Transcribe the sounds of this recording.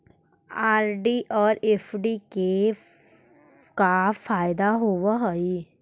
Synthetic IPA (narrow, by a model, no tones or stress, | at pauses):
aːɾɖiʔɔːɾefɖike | kafaːjd̪aɦoʋəɦɔi